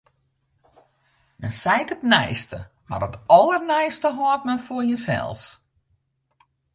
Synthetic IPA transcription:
mɛ̰nsɛjkətnɛ̰jstə̰ | ma̰rətɔlˠərnɛjstəɦoət̚mɛnforjəsɛ̰lˠs

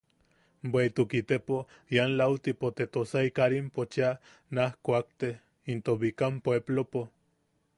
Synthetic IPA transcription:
bweit̪ukit̪epo | janlawt̪ipot̪et̪osaikaɾimpot͡ʃia | nahkʷak̚t̪e | int̪oβikampoeblopo

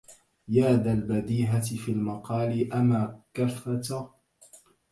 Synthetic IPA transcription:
jaːd̪albad̪iːɦat̪ɪfiːlmɑqɑːlɪʔamaːkaθat̪a

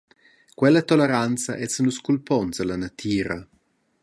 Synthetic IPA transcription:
kwɛlːɐt̪oleɾant̪st͡sɐʔɛt͡snuskulpɔnzalanat̪ʰiːɾa̰

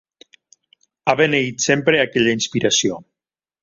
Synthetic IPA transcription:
aβeneit̪sempɾeakɛʎainspiɾasio

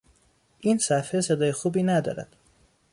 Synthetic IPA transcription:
ʔiːnsæfhese̞d̪ɒːjexuːbiːnæd̪ɒ̰ːɾæ̰d̪̥

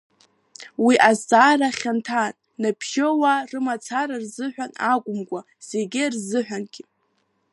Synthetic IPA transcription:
wiʔazaːɾaχʲantʰan | napʰʃowarɨmat͡sʰaɾarzɨħᶣʷanaɡʷʼʊmkʷʼa | z̥eɡʲɪrzɨħᶣʷanɡ̥ʲi

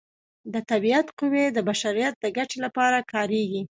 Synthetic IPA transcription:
d̪ət̪abiat̪qʊwed̪əbaʃaɾijat̪̚d̪əɡaʈelapɑɾakʰɑɾeɡi

